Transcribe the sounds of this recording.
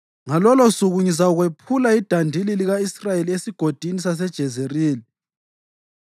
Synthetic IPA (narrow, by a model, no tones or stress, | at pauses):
ŋalɔlɔsuɣuɲis̬auɣwepʰulaid̥ʱandʱililiɣaisrajeliesiɡ̥ʱod̥ʱinisas̬ɛd̥ʒ̥ʱɛzeriːli